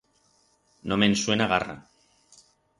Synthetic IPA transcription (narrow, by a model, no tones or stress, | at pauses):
nomenswenaɣ̞ara̰